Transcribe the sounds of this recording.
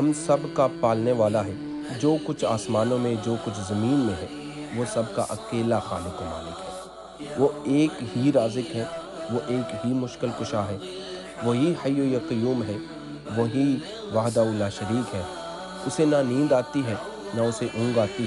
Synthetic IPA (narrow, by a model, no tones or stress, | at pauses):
ɦɐmsɐbkapaːlneʋaːlaɦɛː | d͡ʒoːkʊt͡ʃʰaːsmaːnõmẽd͡ʒoːkʊt͡ʃʰzɐmĩːnmẽɦɛ | ʋosɐb̚ka̰ʔɐkeːlaxa̰ːlekoma̰ːlɪkɦɛː | ʋoeːkɦiɾaːzɪkɦɛː | ʋoʔeːkɦimʊʃkɪlkʊʃaɦɛː | ʋoːɦihɐjojaqɪjuːmɦɛː | ʋoɦi | ʋaːɦd̪aʊlːaʃɐɾiːkɦɛː | ʊsenɐnĩːnd̪aːt̪iɦɛ | naʊseʔʊ̃ːŋɡaːt̪i